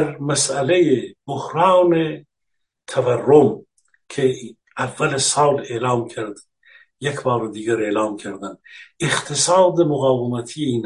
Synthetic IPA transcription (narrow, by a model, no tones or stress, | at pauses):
ɾmasælejebohɾɑːne | t̪ʰaværːom | kʰe | ævːælesɑːlelɑːmkʰaɾd̪ | jekʰbɑːɾod̪iːɡæɾeːlɑːmkʰaɾd̪æneχt̪ʰesɑːd̪emʊɣɑːvemæt̪ʰieiːn